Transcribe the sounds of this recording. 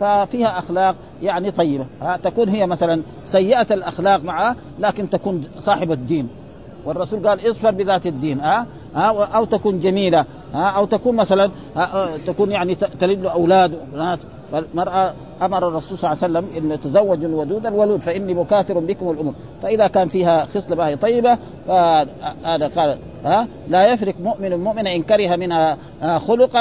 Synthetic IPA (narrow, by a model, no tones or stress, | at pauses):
fafiːhaʔaxlɑːq̚ | jaʕnit̪ˤɑjːibahat̪akuːnɦijːamaθalan | sajːɪʔat̪alʔaxlaːqmaʕa | laːkint̪akuːnsˤɑːħɪbad̪ːiːn | wɑrˤːɑsuːlɡaːlʔɪzˤfɑɾˤbiðaːt̪ad̪ːiːnʔa | haːʔawt̪akuːnd͡ʒamiːla | haːʔawt̪akuːnmaθalan | haʔt̪akuːnjaʕnit̪alid̪lːuʔawlaːd̪ubnaːt̪ | falmɑɾˤʔa | ʔamɑɾˤɑrˤːɑsuːlsˤɑlːʕasalːamʔɪnːat̪azawːad͡ʒnwad̪uːd̪alwaluːd̪faʔinːimʊkaːθiɾumbikumalʔʊmuːm | faʔiðakaːnfiːɦaxɨsˤlamahit̪ˤɑjːiba | faaːd̪aqɑːla | ʔaː | lajafɾikmʊʔmɪnmʊʔminaʔɪnkaɾiɦamɪnha | axʊlʊq